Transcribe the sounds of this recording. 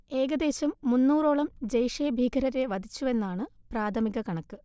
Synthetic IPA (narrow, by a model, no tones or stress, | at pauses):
e̞ːɡɐd̪e̞ːɕɐmːunːuːro̞ːɭɐmd͡ʑɐjʂeːbʱiːɡɐɾɐɾe̞ʋɐd̪ʱit͡ɕːue̞nːaːɳɨ | praːd̪ʰʱɐmiɣɐkɐɳɐkːɨ